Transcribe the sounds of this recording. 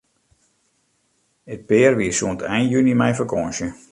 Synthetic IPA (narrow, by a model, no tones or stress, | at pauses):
ət̚pɪːərʋiəsuəntʰɛjnjynimɛjfəkʰɔnsjə